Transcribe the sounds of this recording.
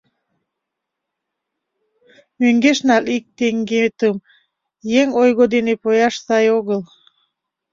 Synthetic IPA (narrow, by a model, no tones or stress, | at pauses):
møŋɡeʃnɑlik̚t̪eŋɡet̪əm | jeŋojɣod̪enepojɑʃsɑjoɣəl